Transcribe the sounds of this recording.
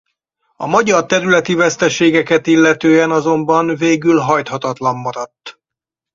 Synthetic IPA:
ɒ̰mɒɟɒrt̪ɛɾylɛt̪ivɛst̪ɛʃeːɡɛkɛt̪ilːɛt̪øːɛnɒzo̞mbɒnveːɡylɦɒjt̪hɒt̪ɒt̪lɒmːɒɾɒt̪ː

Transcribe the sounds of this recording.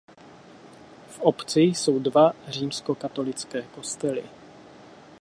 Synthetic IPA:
fʔopt͡sɪso̞wdvar̝iːmsko̞kat̪o̞lɪt͡skɛːko̞st̪ɛlɪ̰

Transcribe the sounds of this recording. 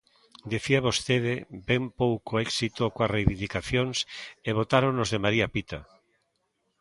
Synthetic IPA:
d̪eθiaβost̪eðebɛmpowkoɛksit̪okoarejβĩnd̪ikaθjonseβ̞ot̪aɾonozðemaɾiapit̪a̰

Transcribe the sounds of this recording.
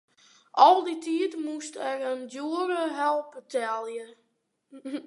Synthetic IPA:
ʔɔlˠditʰiətmustɛrəndjuəɾəɦɛlˠpətʰɛlˠjə

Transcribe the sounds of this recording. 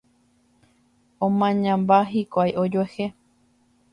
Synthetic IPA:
õmãɲãmbaɦikʷajʔod͡ʒehe

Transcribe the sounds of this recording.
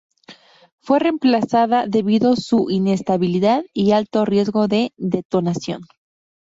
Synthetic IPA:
fwe̞re̞mplasaðaðe̞βiðo̞suʔine̞st̪aβiliðaðialt̪o̞rje̞zɣo̞ðe̞ðe̞t̪o̞nasjo̞̰n

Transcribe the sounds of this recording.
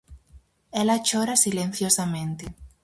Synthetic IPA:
elat͡ʃoɾasilẽn̟θjosamẽnt̪e

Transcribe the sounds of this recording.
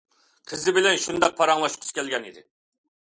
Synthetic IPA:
qʰəzɪbɪlɛnʃund̪ɑq̚pʰɑɾɑŋlˠɑʃqʰʊ̥skʲɛlɡʲɛnid̪ɪ

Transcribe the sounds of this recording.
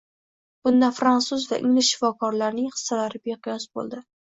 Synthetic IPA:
b̥ʊnd̪afɾansʊzvaʔɪ̰ŋlɪʃʃɪfɒkʰɒɾlaɾnɪŋχɨ̥sːalaɾɪbeqʰɨjɒsbo̰lˠd̪ɪ

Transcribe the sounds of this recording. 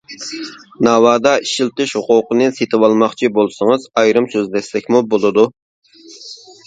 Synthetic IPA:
nɑwɑːd̪ɑiʃilt̪ɪʃhʊqʊqənɨset̪ʰɪwɑlˠmɑχt͡ʃʰibolˠsəŋəzɑjɾɨmsøzd̪ɛslɛkʲmubolˠɨd̪u

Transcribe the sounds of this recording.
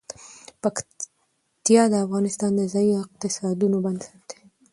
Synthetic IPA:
pak | t̪jɑd̪əafɣɑnɪst̪ɑnd̪əzɑjiɪq̚t̪ɪsɑd̪unoband̪saɾd̪̥e̥

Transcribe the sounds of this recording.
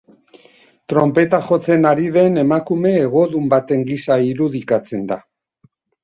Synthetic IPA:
t̪ɾo̞mpe̞t̪axo̞t͡se̞naɾiðe̞ne̞makume̞ːɣ̞o̞ðumbat̪e̞ŋɡisaiɾuð̞ikat͡se̞nd̪a

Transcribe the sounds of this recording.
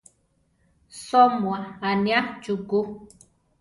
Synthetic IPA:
sɔmwaanjat͡ʃuku

